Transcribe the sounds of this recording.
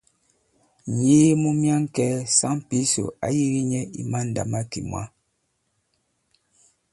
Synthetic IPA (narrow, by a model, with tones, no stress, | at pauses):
ɲeː˦mu˦mja˦ŋ˦kɛː˦sa˦mpi˦so̰˨a̰˨˦ji˦ɣi˦ɲɛ˦ḭ˨ma˦n̩˨da̰˨ma˦kḭ˨mwa̰˦